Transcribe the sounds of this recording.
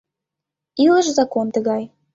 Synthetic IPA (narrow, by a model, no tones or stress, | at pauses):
ilə̆ʃzɑkont̪ə̆ɣɑj